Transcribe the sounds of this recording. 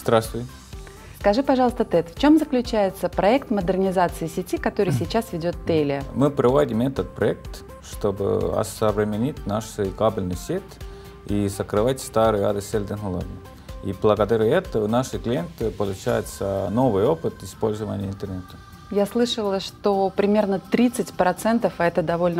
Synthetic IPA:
zd̪ɾast̪vʲɪj | skɐʐɨpɐʐɑlˠəst̪ət̪ɛt̪ft͡ɕo̞mzəklʲʉt͡ɕæjɪt̪səpɾɐɛkt̪məd̪ɨrnʲɪzat̪sɨɪsʲɪtʲikɐt̪oɾɨjsʲɪt͡ɕasvʲɪdʲo̞t̪ːelʲɪmɨpɾɐvodʲɪmɛt̪ət̪̚pɾɐɛk̚t̪ | ʂt̪obɨ̰ɐ̰səvɾʲɪmʲɪnʲitʲnaʂɨjkablʲnɨjsʲet̪ | isəkɾɨvatʲst̪aɾɨja̰d̪əsʲelʲd̪ənəlˠo̰ɡ̪ə | iblˠəɡəd̪aɾʲɨɛt̪ənaʂɨklʲɪjent̪ɨpəlˠʊt͡ɕa̰jɪt̪sənovɨjopɨt̪ɪspolʲzəvə̰nʲɪjəɪnt̪ərnɛt̪ə̥ | jaslˠɨʂəlˠəʂt̪opɾʲɪmʲe̞rnət̪ɾʲit̪sɨtʲpɾɐt̪sɛnt̪əfaɛt̪əd̪ɐvo̞lʲnə

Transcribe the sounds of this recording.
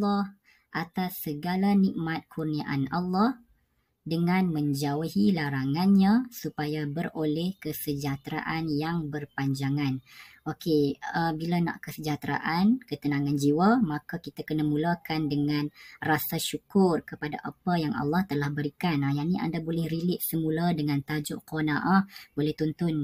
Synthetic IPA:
lːɔh | ʔat̪asːəɡalaniʔmat̪̚kʰurniaʔanalːɑh | dəŋãnmə̃ɲd͡ʒauhilaɾaŋanɲãsupajabərolɛhkəsəd͡ʒat̪ɾa̰ʔanjaŋbərpaɲd͡ʒaŋanʔokeəbilana̰ʔkəsəd͡ʒat̪ɾa̰ʔankət̪ənãŋãnd͡ʒiwamakakit̪akənamũlakandəŋanrasaʃukʊrkəpada̰ʔapajaŋɑ̰lːɑht̪əlahbəɾikanajaniʔa̰ndabolɛhɾilɪʔsəmuladəŋãnt̪ad͡ʒʊʔqɔnaʔab̥olɛht̪unt̪ʊn

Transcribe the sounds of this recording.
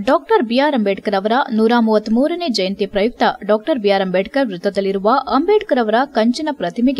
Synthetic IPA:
ɖoːk̚ʈɐɾbijaːɾɐmbeːʈkɐɾɐʋɐɾɐnuːɾaːmuːʋɐt̪ːmuːɾɐneːd͡ʒɐjɐnt̪ipɾɐjuk̚t̪ʰɐɖoːk̚ʈɐɾbijaːɾɐmbeːʈkɐɾʋɾut̪ːɐd̪ɐlːiɾuʋɐʔɐmbeːʈɐkɐɾɐʋɐɾɐkɐɲt͡ʃinɐpɾɐt̪ʰimiɡe

